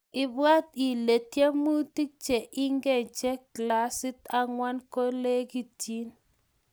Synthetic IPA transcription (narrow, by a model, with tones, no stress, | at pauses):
ɪ˨bwa˦ti˨le˨tje˦mu˦ti˦k̚t͡ʃe˨ʔɪ˦ŋɡɛ˨d͡ʒe˦kla˦sɪ˦ta˨ŋwa˦nko˦le˦ɡi˦tʰi˦n